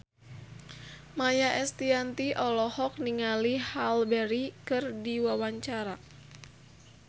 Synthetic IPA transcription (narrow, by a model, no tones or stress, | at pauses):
majaʔɛst̪iant̪iʔɔlɔhɔk̚niŋalihalbɛɾikɨrdiwawaɲt͡ʃaɾa